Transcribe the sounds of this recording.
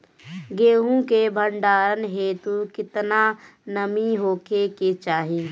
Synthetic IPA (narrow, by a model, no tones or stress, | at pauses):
ɡeːɦũkebʱəɳɖaːɾənɦeːt̪ukɪt̪nanəmiɦoːkeket͡ʃaːɦi